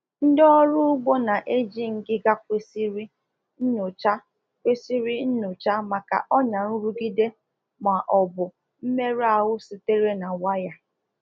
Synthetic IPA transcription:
n̩˦dɔ˦ɾʊ˦ʊ˦ɡ͡bo˦na˨ʔe˦d͡ʒi˦ŋ̩˨ɡɪ˦ɡa˦kʷe˦si˦ɾi˦ | nʊ˨t͡ʃa˦ | kʷe˦si˦ɾi˦n̩˦nʊ˨t͡ʃa˦ma˨ka̰˨ʔɔ˦ɲa˨n̩˦ɾu˦ɡi˦de˦ | ma˨ʔɔ˨bʊ˨ | m̩˦me˦ɾa˨wʊ˦si˨te˦ɾe˦na˨wa˦ja˨

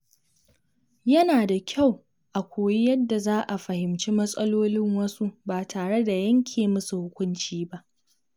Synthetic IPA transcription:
jɐ˦naː˨da˨kʲʰa˦˨w | ʔa˨kʷoː˨ji˦jɐ˦dːa˨zaː˦ʔa˨ɸɐ˨hɪ˨mt͡ʃiː˦mɐ˦sʼɐ˦loː˦lɪ˦ŋwɐ˦su˦baː˨tʰaː˨ɽe˦da˨jɐ˦ŋkʲʰeː˨mʊ˦su˨hʊ˦kʷʊ˦nt͡ʃiː˦ba˦ʔ

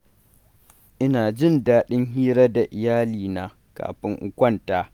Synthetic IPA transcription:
ʔɪ˦naː˨d͡ʒɪ˦˨ndaː˦ɗɪ˦ŋɦiː˦ɾɐ˦da˨ʔɪ˨jaː˦liː˨naː˦ | ka̰ː˨ɸɪ˦ŋʔʊ˦kʷɐ˦ntaː˦

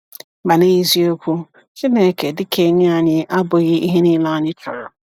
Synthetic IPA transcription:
ba˨ne˦ɣi˦zi˦o˦kʷu˦ | t͡ʃi˦ne˦˨ke˨dɪ˦kʰe˦ɲʊ˦a˨ɲɪ˦ʔa˦bʊ˨ɣɪ˦ʔi˦ɦe˦ni˦la˦ɲɪ˦tɔ˨ɾʊ˨

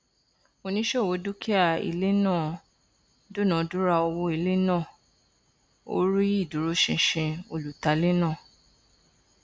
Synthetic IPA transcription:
o˧nĩ˦ʃe˦˨wo˨˦du˦ki˦a˦˨ḭ˨le˦nãː˦˨ | do˦˨nã˨˦du˦ɾa˧o˧wo˧˦i˦˨le˦nãː˦˨ | o̰˦ɾi˦i˦˨du˨ɾo˦ʃĩ˧ʃĩ˧o˧lu˨ta˨˧le˦nãː˦˨

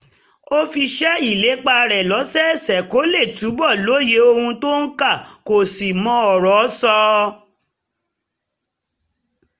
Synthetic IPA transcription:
o˦fi˧ʃɛ˦i˦˨le˨˦k͡pa˧ɾɛ˨lɔ˨˦sɛ˦sɛ˨ko˨˦le˦˨tu˨˦bɔ˦˨lo˨˦je˨˦o˧hũ˧to˦n̩˦ka˦˨ko˨si˨mɔ̃˧ɔ˨ɾɔ˨˦sɔ˧

